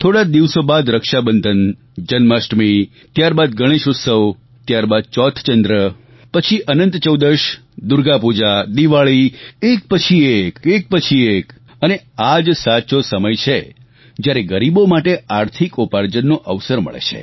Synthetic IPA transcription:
t̪ʰoɽad̪iʋsobad̪ɾəkʃabənd̪ʱən | d͡ʒənmasʈmi | t̪jaɾbad̪ɡəɽ̃eʃʊt̪səʋ | t̪jaɾbad̪̚t͡ʃɔt̪ʰt͡ʃənd̪ɾə | pət͡ʃʰiʔənənt̪t͡ʃəwd̪əɾʃ | d̪ʊɾɡapud͡ʒad̪iʋaɭiek̚pət͡ʃʰiekek̚pət͡ʃʰiek | ənead͡ʒsat͡ʃosəməjt͡ʃʰe | d͡ʒjaɾeɡəɾibomaʈeaɾt̪ʰikopaɾd͡ʒənːoʔəʋsəɾmə̰ɭḛt͡ʃʰḛ

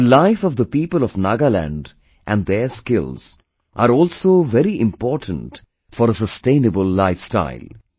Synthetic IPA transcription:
əlaɪfɔvd̪əpiːpəlɔʋnaɡəlæ̰̃nɖ | ʔæ̃nɖd̪eskɪlz̥ | ʔaːɾɔːlsoːʋɛɾiʔɪ̃mpɔːʈʰə̃nʈ | fɔɾəsəsʈẽɪ̃nəbəlːaɪfsʈa̰ɪl

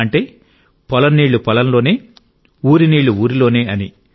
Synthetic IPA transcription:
ɐɳʈe̞ː | pɔlɐnːiːɭːupɔlɐnlo̞ːne̞ː | uːɾiniːɭːuuːɾilo̞ːneːɐni

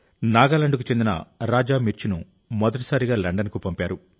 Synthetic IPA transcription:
naːɡaːlɐɳɖukut͡ʃe̞nd̪inɐ̰ɾaːd͡ʒaːmiɾt͡ʃinṵ | mɔd̪ɐʈ̬i̥saːɾiɡaːlɐɳɖɐnkupɐmpaːɾu

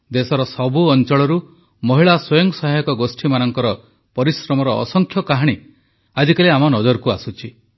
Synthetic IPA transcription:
d̪esɔɾɔsɔbuɔnt͡ʃɔɭɔɾu | mɔɦiɭaswɔjɔŋsɔɦajkɔɡosʈʰimanɔŋkɔɾɔ | pɔɾisɾɔmɔɾɔ̰ːsɔŋkʰjɔkaɦaɽ̃i | ad͡ʒikaleamɔnɔd͡ʒɔɾkuasut͡ʃʰi

